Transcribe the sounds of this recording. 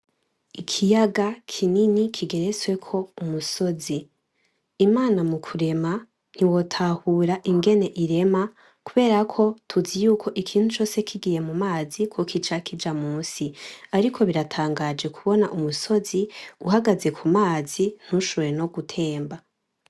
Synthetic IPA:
ikʰijaɡakʰininikʰiɡe̞ɾeswe̞kʰo̞umusoziː | maːnamukʰuɾe̞ma | n̥iwo̞tʰahuːɾaʔiŋɡe̞ne̞ʔiɾe̞ma | kuβe̞ːɾakʰo̞tʰuzijuːkʰo̞ʔikʰiːn̥hut͡ʃo̞ːse̞kʰiɡije̞mumaːzikʰwokʰit͡ʃakid͡ʒamuːsiaɾikʰo̞βiɾatʰaːŋɡad͡ʒe̞kʰuβo̞naʔumuso̞ziuhaɡaze̞kʰumaːzin̥uʃoɾeno̞ɡutʰe̞ːmba

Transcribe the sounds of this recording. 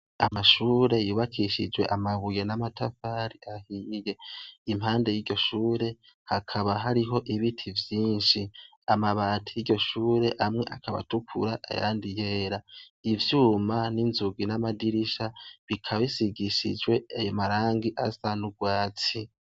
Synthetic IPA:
amaʃuːɾe̞juːβakʰiʃid͡ʒwe̞̰ʔamaβuje̞namatafaɾiʔahije̞imhaːnde̞jiːɟo̞ʃuːɾe̞ | hakʰaβaɦaɾiɦo̞ʔiβitʰivjiːnʃi | amaβaːtʰi̥jiɟo̞ʃuːɾe̞ʔamŋe̞ʔakʰaβa̰tukʰṵɾaʔa̰ja̰ːndije̞ːɾa | ivjuːmaninzuɡinamadiɾiʃaβikʰaβisiɡiʃḭd͡ʒwe̞ajomaɾaːŋɡiʔasanuɡwaːt͡si

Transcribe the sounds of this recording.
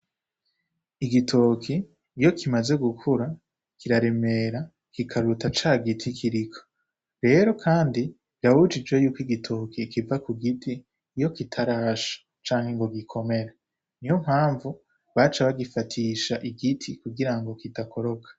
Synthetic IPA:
iɡitʰo̞kʰiː | jo̞kʰimaze̞ɡukʰuɾa | kiɾaɾe̞me̞ɾa | kikʰaɾutat͡ʃaːɡitʰikʰiɾikʰo̥ | ɾe̞ːɾo̞kʰaːndi | ɾahud͡ʒid͡ʒwe̞juːkiɡitʰo̞ːkʰikivakuɡitʰiː | jo̞kitʰaɾaːʃḁ | t͡ʃaːŋ̥he̞ŋɡo̞ɡikʰo̞me̞ɾa | nijom̥haːɱvu | βat͡ʃaβaɡifatʰiːʃaʔiɡitʰikuɡiɾaŋɡo̞kitakʰo̞ɾo̞kʰḁ

